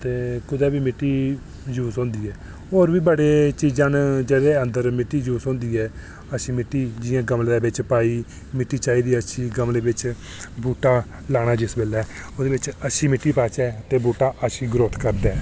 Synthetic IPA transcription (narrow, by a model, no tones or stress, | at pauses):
t̪eːkʊd̪ɛːbiːmɪʈːiː | d͡ʒuːsõːnd̪iːɛː | oːɾbiːbəɽeːt͡ʃiːd͡ʒãːnd͡ʒeːd̪eːənd̪əɾmɪʈːiːd͡ʒuːsõːnd̪iːɛː | əʃiːmɪʈːiːd͡ʒɪjãːɡəmld̪eːbɪt͡ʃpaːiː | mɪʈːiːt͡ʃaːiːd̪iːəsiːɡəmleːbɪt͡ʃ | buːʈaː | laːɽ̃aːd͡ʒɪsbeːlɛːod̪eːʋɪt͡ʃəʃiːmɪʈːiːpaːt͡ʃɛːt̪eːbuːʈaːʔəʃiːɡɾoːt̪ʰkəɾd̪ɛː